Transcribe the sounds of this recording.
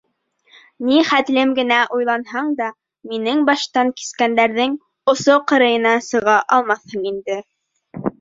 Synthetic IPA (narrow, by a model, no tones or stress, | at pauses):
niχæt̪lɘmɡɘ̆næʔujlˠɑnhɑɴd̪ɑ | minɘŋbɑʃt̪ɑŋki̥skænd̪æɾðɘŋ | ŏsoqɤ̆ɾɤ̆jɤ̆nɑsɤ̆ʁɑʔɑlˠmɑθhɤɴind̪ɘ